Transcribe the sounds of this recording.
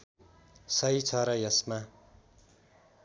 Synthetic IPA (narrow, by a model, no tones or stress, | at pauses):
sʌit͡sʰʌɾʌjʌsma